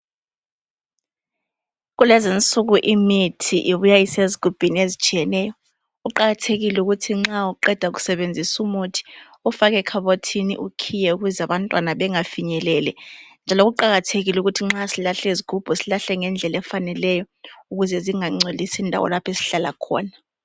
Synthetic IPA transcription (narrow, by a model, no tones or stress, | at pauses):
ɣulɛzint͡sʼuɣuʔimitʰiʔiβujaiseziɡ̥ʱub̥ʱiniezit͡ʃʼijɛnɛjɔ | ɣuǃaɣatʰeɣilɛuɣutʰiŋ͡ǁauǃɛd̥ʱaɣ̬u̥sɛβend͡zʱisumutʰi̥ | ufaɣɛkʰaβotʰinḭʔukʰijɛuɣuzaβantʼwanaβɛŋafiɲɛlɛlɛnd͡ʒʱalɔɣuǃaɣatʰeɣiluɣutʰiŋ͡ǁasilaɬɛiziɡ̥ʱub̥ʱɔsilaɬɛŋɛnd͡ɮʱɛlɛfanɛlɛjɔ | uɣuzɛziŋaŋ͡ǀʱolisindʱa̰wɔ̰lapʰesi̥ɬala̰kʰɔ̰ːna